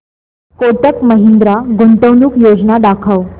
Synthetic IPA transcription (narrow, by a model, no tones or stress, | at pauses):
koʈəkməɦind̪ɾaɡuɳʈ̪əʋnuːkjod͡znad̪akʰəʋ